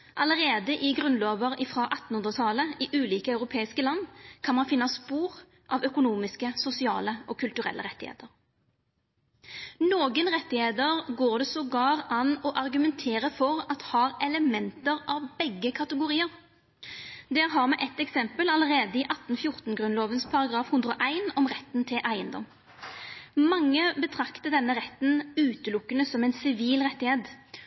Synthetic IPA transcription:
ʔɑləʁeːd̪əʔɪɡʁʉnloːʋəʁɪfʁɑʔɑt̪ːn̩hʉnd̪ʁət̪ʰɑləɪʔʉːliːkəɑʉʁʊpʰeːɪskəlɑnːkʰɑnmɑnfɪnːɑspuːʁ | ʔɑʋœkʊnuːmɪskəsʊsɪɑ̰ːləʔɔkʰʉlt̪ʉʁɛ̰lːʔə̰ʁɛt̪ːɪhḛːd̪əʁ | noːɡənʁɛt̪ːɪheːd̪əʁɡoːʁd̪ɛsɔɡɑːʁɑnɔʔɑʁɡʉmɛnt̪ʰeːʁəfɔʁɑt̪hɑːʁɛləmɛnt̪əʁʔɑʋbɛɡːəkʰɑt̪əɡʊʁiːəʁ | d̪ɛːʁɦɑʁmɛːʔɛt̪ːɛksɛmpəlɑləʁeːd̪əiʔɑt̪ːn̩fjʊʁt̪n̩ɡʁʉnloːʋənspʰɑʁɑɡʁɑːfhʉnd̪ɾəɔʔæɪnɔmʁɛt̪ːn̩t̪ʰɪlʔæɪənd̪ɔ̰m | mɑŋːəbət̪ʰʁɑkt̪əd̪ɛnːəʁɛt̪ːn̩ʉːt̪əlʊkːənəsɔmɛɪnsɪʋiːlʁɛt̪ːɪheːd̪

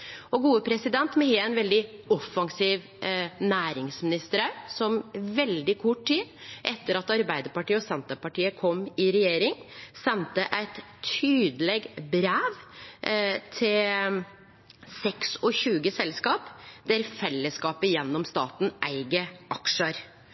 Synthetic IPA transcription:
ɔɡuːəpʰɾɛsɪd̪ɛnt̪mɛheːænʋɛld̪ɪɔfːɑŋsiːʋ | næːɾɪŋsmɪnɪst̪əɾɑsɔmʋɛld̪ɪkʰʊʈtiːd̪ʔɛt̪ːəɾɑt̪ɑɾbæɪd̪əpɑʈiːəɔsɛnt̪əpɑʈiːəkʰɔmːɪɾɛjeːɾɪŋsɛnt̪əʔæɪt̪ʰyːd̪əlɛɡbɾæːʋ | t̪ʰɪl | sɛksɔçʉːɡəsɛlskɑːpd̪̥æɾfɛlːəskɑːpəjɛnːɔmst̪ɑ̰ːt̪n̩ʔæɪɡəʔɑkʂəɾ

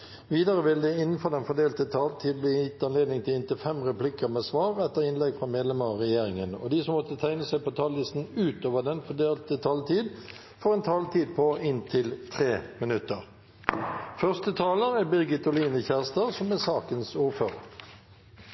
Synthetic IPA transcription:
ʋiːd̪əʁəʋɪld̪ɛɪnːn̩fɔʁd̪ɛnfɔd̪eːlt̪ət̪ʰɑːlt̪ʰiːd̪̚bliːjɪt̪ːɑnleːd̪nɪŋt̪ʰɪlɪnt̪ɪfɛmʁɛplɪkəʁmeːsʋɑːʁɛt̪ːəʁɪnlɛɡfʁɑmeːd̪lɛməʁɔʁɛjeːʁɪŋənɔ̰d̪iːsɔmːɔt̪ːət̪ʰæɪnəsæɪpot̪ʰɑːllɪst̪n̩ʉːt̪oːʋəd̪ɛnfɔd̪eːlt̪ət̪ʰɑːlt̪ʰiːd̪ | fɔʁɛnt̪ʰɑːlt̪ʰiːd̪̚pʰɔɪnt̪ʰɪlt̪ʰʁeːmɪnʉt̪əʁ | fœʁst̪ət̪ʰɑːləʁæbɪʁɡɪt̪ʊliːnəçæːʁst̪ɑsɔmɛsɑːkənsuːʁføːʁə

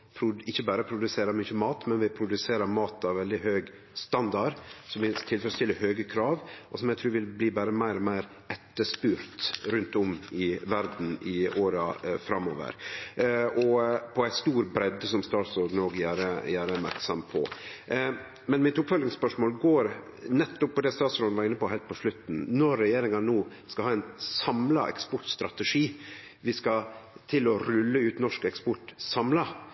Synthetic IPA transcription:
pʰɾʊɪçːəbæːɾəpʰɾʊd̪ʉseːɾəɾmyːçəmɑːt̪mɛnʋɪpʰɾʊd̪ʉseːɾəɾmɑːt̪ɑʋʋɛld̪ɪɦøːɡ | st̪ɑnd̪ɑɾsɔmʋɪt̪ʰɪlfœɾəst̪ɪlːəɾhøːɡəkʰɾɑːʋʔɔsɔmjæɪt̪ʰɾʉːʋɪlbliːbæːɾəmæɪɾɔmæɪɾ | ɛt̪ːəʂpʉːɾt̪ɾʉnt̪ɔmɪʋæɾd̪n̩ɪoːɾɑfɾɑmo̰ːʋə̰ɾ | ʔɔpʰɔæɪst̪uːɾbɾɛd̪sɔmst̪ɑːt̪sɔɾd̪noːɡjæːɾəjæːɾəmæ̰ɾksɑmpʰɔ̰ | mɛnmɪt̪ʊpfœlɪŋspœʂmoːlɡoːɾ | nɛt̪ːʊpʰːɔd̪ɛst̪ɑːt̪sɾɔːnʋɑɾɪnːəpɔhɛɪlt̪̚pʰɔʂlɭʉt̪ːn̩nɔɾːɛjeːɾɪŋɑnoː | skɑhɑːæɪnsɑmlɑ̰ʔɛ̰kspɔʈst̪ɾɑt̪ɛʂiː | ʋɪskɑt̪ʰɪlɔɾʉlːəʉːt̪nɔʂkɛkspɔʈsɑmlɑ

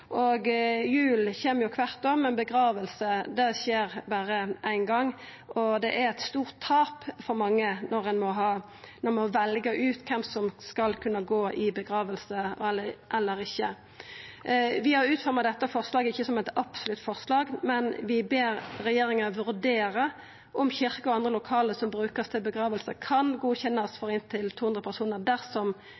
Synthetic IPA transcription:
ʔɔɡjʉːlçeːməjʊkʰʋɑʁt̪omɛnbəɡɾɑːʋəlsəd̪ɛçeːɾbæːɾəʔæɪnɡɑŋː | ʔɔd̪ɛʔæɾɛt̪st̪uːʁt̪ʰːɑːpfɔɾmɑŋːənɔɾɛnmɔɦɑː | nɔɾmɔʋɛlɡəʔʉːt̪kʰɛmsɔmskɑlkʰʉnːəɡoːʔɪbəɡɾɑːʋəlsəɛlːəʔɛlːəɾɪçːə | ʋɪhɑɾʉːt̪fɔɾmɑd̪ɛt̪ːəfɔʁslɑːɡəɪçːəsɔmɛɪt̪ɑpsʊlʉt̪ːfɔʁslɑːɡmɛnʋɪbeːɾɾɛjeːɾɪŋəɑəʋʉɾd̪eːɾə | ʔɔmçɪʁkəɔɑnd̪ʁəlʊkʰɑːləsɔmbɾʉːkəst̪ʰɪlbəɡʁɑːʋəlsəkʰɑnɡuːçɛnːɑsfɔɾɪnt̪ʰɪlt̪ʰuːhɵnd̪ʁəpʰæʁsuːnəʁd̪æʁsɔm

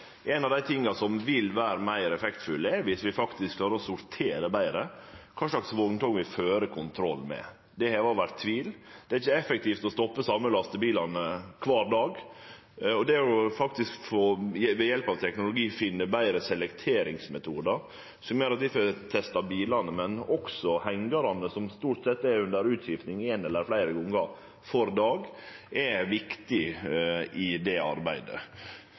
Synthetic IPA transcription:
ʔɛnɑʋd̪æɪt̪ʰɪŋːɑsɔmʋɪlʋæːɾəmæɪɾɛfɛkt̪fʉlɛɾʋɪsʋɪfɑkt̪ɪskʰlɑːɾəɾɔsʊɾt̪ʰeːɾəbæɪɾəkʰɑːʂɭɑksʋɔɡnt̪ʰɔŋʋɪføːɾəkʰʊnt̪ʰɾɔlːmɛ̰ | d̪ɛhɛːʋɑʋæɾt̪ʰːʋiːld̪̥ɛæɾɪçːəɛfək̚t̪ʰiːft̪ɔst̪ɔpːəsɑmːəlɑst̪əbiːlɑnəkʰʋɑːɾd̪ɑːɡ | ɔd̪ɛæɾʊfɑkt̪ɪskfoʋɛjɛlpɑʋt̪ʰɛknʊlʊɡiːfɪnːəbæɪɾəsɛlɛkt̪ʰeːɾɪŋsmɛt̪ʰuːd̪əɾ | sɔmjøːɾɑt̪ʋɪfɔt̪ʰɛst̪ɑbiːlɑnəmɛnɔksɔhæŋɡəɾɑnəsɔmst̪uːʈsɛt̪ːɛɾʉnd̪əɾʉːt̪ɕɪft̪nɪŋɛnɛlːəɾflæɪɾəɡɔŋːɑ | fɔɾd̪ɑːɡʔɛʋɪkt̪ɪ | ʔɪd̪ɛɑ̰ɾbæɪd̪ə̰

